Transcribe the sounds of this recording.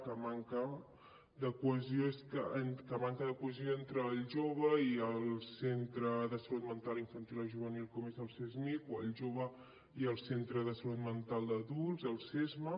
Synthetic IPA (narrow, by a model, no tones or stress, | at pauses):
kəmaŋkə | d̪əkuəzijoeskəenkəmaŋkəðəkuəzijoent̪ɾəlʒoβəiəlˠsent̪ɾəðəsəlut̪mənt̪aliɱfənt̪ilˠəʒuβənilˠkɔmezəlˠsɛzmikwəlʒoβə | iəlˠsent̪ɾəðəsəlut̪mənt̪alˠd̪əðulˠzəlˠsɛzmə